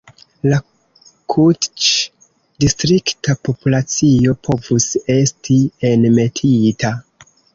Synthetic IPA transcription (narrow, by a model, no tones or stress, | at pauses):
la | kʰutt͡ʃ | distɾiktapo̞pulat͡sio̞pʰo̞vuse̞stʰienme̞tʰitʰa